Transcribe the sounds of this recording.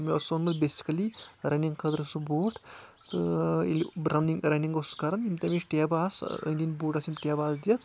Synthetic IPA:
miɐsonmɐd̪besi̥kɐliɾɐniŋɡkʰɐd̪ɾsuboːʈ | t̪ɨḛlibɾɐwniŋɾɐniŋɡoskɐɾɐnimʲt̪ɐmit͡ʃʈʲjabaːsə̰d̪inboːʈasimʲʈʲjaːbaːsd̪ijɐt̪ʰ

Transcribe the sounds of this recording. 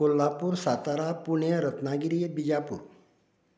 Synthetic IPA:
kolːaːpuɾsaːt̪aɾapunəɾɐt̪naːɡɪɾijebid͡ʒaːpṵɾ

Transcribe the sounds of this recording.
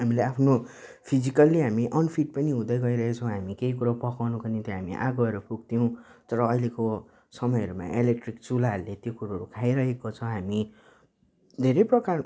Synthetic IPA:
ɦamileapʰno | pʰid͡zikʌlːiɦamiʔʌnpʰiʈ̚pʌniɦũd̪ʌjɡʌiɾʌɦet͡sʰʌ̃w̃ɦamikeikuɾapʌkawnukʌnit̪ʌɦamiʔa̰ɡʌeɾʌpukt̪ijow̃t̪ʌɾʌːjleko | sʌmʌjʌɾuma̰ʔelek̚ʈrik̚t͡sulaɦlet̪jokuɾaɦʌɾukʰajɾʌɦekot͡sʰʌw̃ɦami | d̪ʱeɾʌjprʌkar

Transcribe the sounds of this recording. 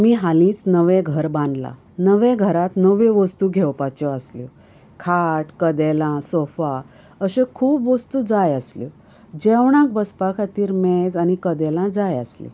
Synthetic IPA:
miɦalĩːt͡snəʋeɡʱəɾbãnd̪la̰ | nəʋeɡʱəɾat̪nəʋẽʋəst̪uːɡʱɛwpat͡ɕɔəsljɔ | kʰaʈkəd̪ɛlãsɔfa | əɕẽkʰuːpʋəst̪uːd͡zajəsljɔ | d͡ʑɛwɳ̃ãk̚bəspakʰat̪iːɾmed͡zanikəd̪ɛlãd͡zajəslḭ

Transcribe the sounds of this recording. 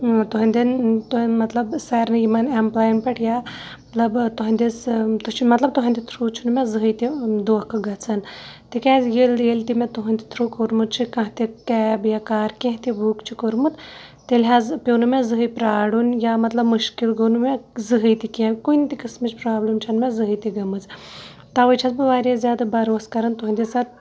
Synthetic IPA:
t̪uɦɐnd̪int̪umɐt̪lɐbsɐːɾnɨjimɐnemplaːjnpɐʈjaː | mɐt̪lɐbt̪uɦɐnd̪ʲist̪ut͡ʃʰmɐt̪lɐb̚t̪uɦɐnd̪it̪ʰɾut͡ʃʰunumẽzɨɦɨjt̪id̪oːhkɨɡɐt͡sʰɐnt̪ikɛːzjeld̪eːlt̪imẽt̪uɦɐnʲd̪it̪ʰɾuːkoɾmut̪̚t͡ʃʰikɐ̃ɦt̪ikɛːbjakaːɾkẽɦt̪ibuːkt͡ʃʰikoɾmut̪t̪elʲɦaːzpʲoːnumẽzɨɦɨjpɾaːɽunjamɐt̪lɐbmɨʃkilɡonumezɨɦɨjt̪ikẽkunt̪ikɨsmɨt͡ʃʰpɾaːblɨmt͡ʃʰɐnmezɨɦɨjt̪iɡɐmɨt͡s | t̪ɐʋɨt͡ʃʰɐt̪bɨʋaːɾezʲjaːd̪ɨbɐɾoːskɐɾɐnt̪uɦɐnʲd̪ʲisɐt̪̚

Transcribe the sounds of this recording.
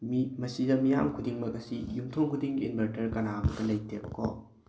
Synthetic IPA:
mimɐsidɐmijamkʰudiŋmɐkɐsijumtʰoŋkʰudiŋinbʱɐɾtɐɾkɐnabɐdɐlɐjtʰebɐkʰɔ̰

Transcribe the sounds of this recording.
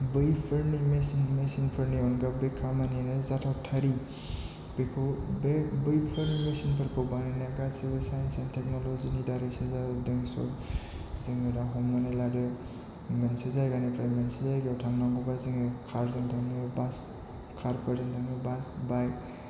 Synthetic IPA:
bɯjpʰɯɾnimesinmesinpʰɯɾniɔnɡabekʰːamanianɯzatʰawtʰaɾi | b̥ekʰɯwbebɯjpʰɯɾnimesinpʰɯɾkʰɯwbanɯnaɡatsibɯsajnsantʰek̚nolozinidajɾeksezadɯŋsɔ̰ɾ | zɯŋɯdaɦɔmnaneladɯ | mensezajɡanepɾajmensezajɡawtʰaŋnaŋɡɔbaziŋɯkʰaɾzɯŋtʰaŋnibas | kʰaɾpʰaɾzeŋtʰaŋnibasbaj

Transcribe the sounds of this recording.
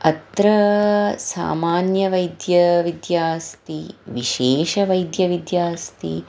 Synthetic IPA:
ɐt̪ɾɐsa̰ːmaːnjɐʋɐjd̪jɐʋid̪jaːst̪iʋiʃeːʃɐʋɐjd̪jɐʋid̪jaːst̪ḭ

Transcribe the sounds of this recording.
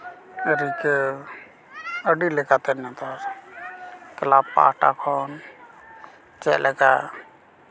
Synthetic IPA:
ɾike | əɖilekat̪ɛnat̪ɔs | kəlapːa̰ːʈa̰kʰɔn | t͡ʃɛlʔɛka

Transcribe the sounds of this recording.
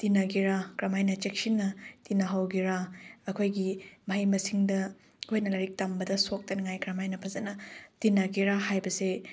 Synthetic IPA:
tinaɡiɾakɾɐmajnɐt͡ʃek̚sinːɐtinaɦawɡiɾaɐkʰojɡimɐɦɐjmɐsiŋdɐ | kʰojnɐlɐɾik̚tambɐdɐsok̚tɐniŋajkɾɐmajnɐpʰɐzɐnɐtinaɡiɾahajbɐse

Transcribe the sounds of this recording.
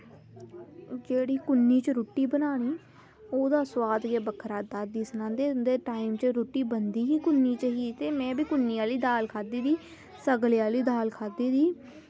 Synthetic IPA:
d͡ʒeːɽiːkʊnːiːt͡ʃəɾoːʈːiːbənaːniː | oːd̪aːswaːd̪ɡeːbəkʰɾaːd̪aːd̪iːsənãːnd̪eːd̪eːʈaːiːmt͡ʃəɾoːʈːiːbənd̪iːɦiːkʊnːiːt͡ʃəɦiːt̪eːmɛ̃ːbiːkʊnːiːaːliːd̪aːlkʰaːd̪iːd̪iː | səɡleaːliːd̪aːlkʰaːd̪iːd̪iː

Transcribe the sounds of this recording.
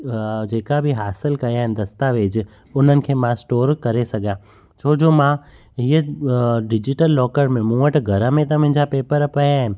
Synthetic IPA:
d͡ʒeːkabʱiɦaːsɪlkɐjaɦɪnd̪ɐst̪aʋeːd͡ʑ | ʊn̤ənɪ̆kʰeːmãsʈoːɾkɐɾesɐɡʱã | t͡ʃʰoːd͡ʑomã | ɦiəɖɪd͡ʑɪʈəlːɔːkəɾmẽmũːəʈɡʱɐɾə̃mẽt̪̬ɐm̃ɪ̃ɲd͡ʑapeːpəɾpɐjaːɦɪ̃nɪ̆

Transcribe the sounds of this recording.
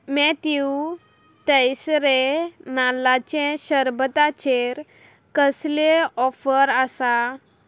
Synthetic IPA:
mɛt̪ju | t̪əjsɾenalat͡ɕɛ̃ɕəɾbət̪at͡ɕeɾ | kəsleɔfəɾasa

